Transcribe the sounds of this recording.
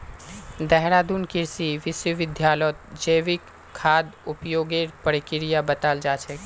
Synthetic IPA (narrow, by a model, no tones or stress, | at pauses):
d̪ɛɦɾaːd̪unkɪɾsiʋɪswəʋɪd̪ʱjaːlɔt̪̚d͡ʒəːʋɪkʰː | aːd̪ʊpjoːɡeɾpəɾɪkɪɾijabət̪aːld͡ʒaːt͡ʃʰɛ